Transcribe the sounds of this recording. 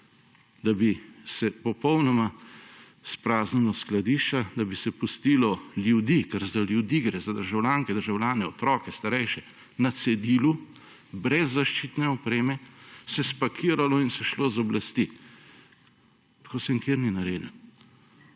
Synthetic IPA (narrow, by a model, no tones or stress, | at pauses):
d̪abisɛpɔpɔwnɔma | spɾaːznilɔsklad̪iːʃt͡ʃad̪abisɛpust̪iːlɔljud̪ikɛɾzaljud̪iɡɾɛzad̪əɾʒawljaːŋkɛd̪əɾʒawljaːnɛɔt̪ɾɔːkɛst̪aɾɛjʃɛ | nat̪sɛd̪iːlu | bɾɛzːaʃt͡ʃiːt̪nɛɔpɾeːmɛsɛspakʰiːɾalɔinsɛʃloːzɔblast̪i | t̪ḁkoːsɛŋkeːɾninaɾḛːd̪l